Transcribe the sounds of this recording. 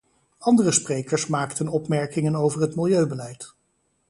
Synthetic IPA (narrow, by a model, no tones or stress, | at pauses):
ɑndərəsprejkəɹsmaːktənɔpmɛɹkɪŋənowvəɹɦətmɪlˠjøɥbəlɛjt